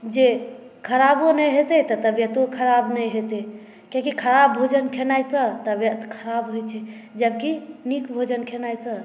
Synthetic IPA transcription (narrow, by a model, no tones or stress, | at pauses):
d͡ʒe | kʰəɾabonəjɦet̪ət̪ət̪əbjət̪okʰəɾabnəjɦet̪e | kãkikʰəɾabːʱod͡ʒənkʰenajsə̃t̪əbjət̪kʰəɾabɦojt͡ʃʰɛ | d͡ʒəb̚kinikbʱod͡ʒənkʰenajsə̃